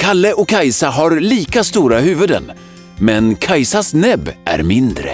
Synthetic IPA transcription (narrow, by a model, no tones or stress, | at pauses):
kʰalːəʔɔkʰːajsaɦaɾliːkast̪uːɾaɦʉ̟ːvɵd̪ə̰n | mɛnkʰajsasnɛbːæ̰ɾmɪnd̪ɾə̰